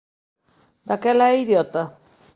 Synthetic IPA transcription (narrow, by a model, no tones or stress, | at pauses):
d̪akelaiðjot̪a